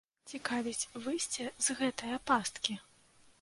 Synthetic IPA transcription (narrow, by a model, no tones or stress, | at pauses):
t͡sʲikavʲit͡sʲvɨsʲt͡sʲɛzɣɛt̪ɨjɐpast̪kʲi